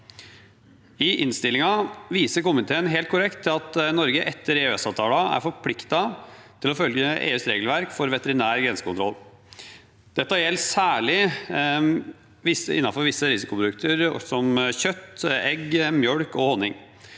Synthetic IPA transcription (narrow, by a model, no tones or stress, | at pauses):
ɪʔɪnst̪ɪlːɪŋɑʋiːsəɾkʊmɪt̪ʰeːənɦeːlt̪̚kʰʊɾɛkt̪ʰːɪlɑt̪nɔɾɡəʔɛt̪ʰːəɾeːøɛsɑːʋt̪ʰɑːlɑæ̰ɾfɔpʰlɪkt̪ɑt̪ʰɪlɔfœljəḛːʉst̪ɾeːɡəlʋæɾkfɔɾʋɛt̪əɾɪnæːɾɡɾɛnsə̥kʰʊnt̪ɾɔ̰lː | d̪̥ɛt̪ːɑjɛlsæːɭɪ | ʋɪsəɪ̰nːɑfɔɾʋɪsːəɾɪsɪkʊpʰɾʊd̪ʉk̚t̪əɾsɔmçœt̪ːɛɡmjœɽkɔhɔnːɪŋ